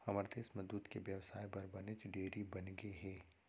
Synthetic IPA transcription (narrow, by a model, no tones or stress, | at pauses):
ɐməɾd̪eːsmɐzuːt̪keʋjɐʋsaːjbɐɾbɐnet͡ʃɖeːɾibɐnɡeɦɛː